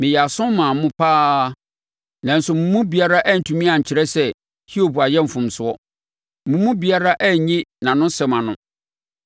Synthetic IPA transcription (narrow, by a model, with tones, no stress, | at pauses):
mɪ̃˨jɛ˨a˨sʊ̃˦mmːãː˨mʊ̃˦pʰaː˦ | nã˨n̩˨sʊ˨mũ˨mũ˦bi˨a˦ɾa˦ʔæ˦n̩˨tʰũ˨mĩ˦ã˨ɲ̩˨t͡ɕʰɪ˨ɾɛ˦sɛ˦ | hi˦o˦˨bu˨a˨jɛ˦m̩˨fʊ̃˨msʊ˨˦ɔ˦ | mũ˨mũ˦bi˨a˦ɾa˦ʔæ˦˨ɲĩ˦nã˨nʊ̃˦sɛ̃˨mã˨nʊ̃˦